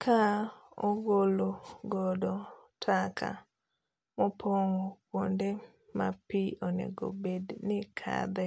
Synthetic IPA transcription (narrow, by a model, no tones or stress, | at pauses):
kʰaoɡoloɡɔdɔtʰakʰa̰ | mopʰoŋoponde | mapionḛɡo̰bednɪkʰa̰d̪ɛ